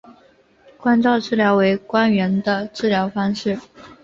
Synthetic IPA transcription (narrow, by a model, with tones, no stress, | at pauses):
kwa˥nt͡sɑ˥˧ʊʈ͡ʂɻ̩˥˩ljɑ˧˥ʊwe˧˥ɪkwa˥nɥɛ˧˥nd̪ə˧ʈ͡ʂɻ̩˥˩ljɑ˧˥ʊfɑ˥ŋʂɻ̩˥˩